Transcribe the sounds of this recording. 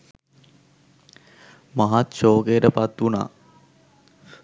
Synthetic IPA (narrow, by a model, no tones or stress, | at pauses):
maɦat̪ʃoːkeəɾəpat̪ːuna̰ː